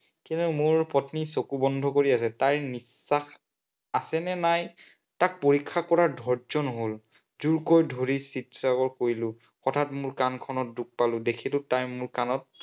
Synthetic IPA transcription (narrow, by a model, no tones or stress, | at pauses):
kintumʊɹpɔtnisokubɔndʱɔkoɹias̬ɛtaɹnisːax | asɛnɛnaj | tak̚poɹikʰːakɔɹaɹdʱɔɹzɔnɦol | zuɹkojdʱoɹisitsakɔɹkoɹilʊ̃ | xɔtʰatmʊɹkankʰɔnɔt̚duk̚palʊ̃dekʰilʊtajmʊɹkanɔt̚